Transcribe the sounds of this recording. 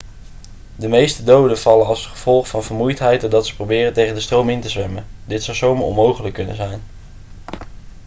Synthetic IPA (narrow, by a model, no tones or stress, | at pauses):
dəmejstədowdəvɑlənɑlˠsχəv̥ɔlˠχfɑnvəɹmujtɦɛjt̚doɹdɑtsə̥prowbɪːrəntejχəndəstrowmɪntəzʋɛməndɪtsɑwsowmɔ̰nmowχələkːɵnə̰nzɛjn